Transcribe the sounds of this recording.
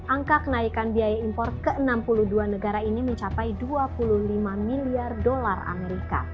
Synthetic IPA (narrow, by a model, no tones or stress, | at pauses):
ʔaŋkakənaikanbiajaimpɔrt̪̚kəənampuluhduanəɡaɾainiməɲt͡ʃapajduapuluhlimamiliardolara̰meɾika̰